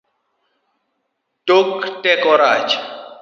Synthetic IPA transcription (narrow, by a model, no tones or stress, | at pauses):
toktɛkɔɾat͡ʃ